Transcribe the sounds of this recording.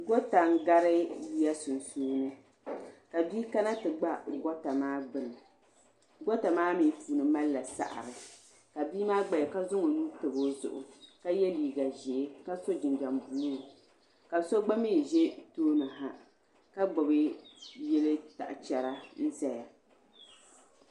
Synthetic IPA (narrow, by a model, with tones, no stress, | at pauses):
ɡɔ˦ta˨ŋ˦ɡa˦ɾɨ˦ji˦ja˦sʊ˨n˨suː˦nɨ˦ | ka˨bi˦ka˦na˦tɨ˨ɡ͡ba˦ɡɔ˦ta˨maː˦ɡ͡bɨ˨nɨ˨ | ɡɔ˦ta˨maː˦miː˨puː˨nɨ˨ma˦lːa˨sa̰˨ʔa̰˨ɾɨ˨ | ka˨biː˦maː˦ɡ͡ba˨jka˦zʊ˦ŋo˨nu˦tɨ˨bo˦zʊ̰˨ʔʊ̰˨ka˦jɛ˦liː˨ɡa˨ʒe˨˦ka˦so˦d͡ʒɪ˨nd͡ʒa˨mbuː˨˦nu˦˨ | ka˨so˦ɡ͡ba˦miː˦˨ʒe˦toː˦nɨ˨ɦa˨ | ka˦ɡ͡bɔ˨bɨ˦jɛ˦lɨ˦ta̰˨ʔt͡ʃɛ˨ɾa˦n̩˦zɛ˨ja˨